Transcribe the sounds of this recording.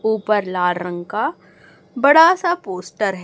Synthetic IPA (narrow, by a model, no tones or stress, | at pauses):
uːpəɾlaːɾə̃ŋɡka | bɐɽasapoːsʈəɾɦ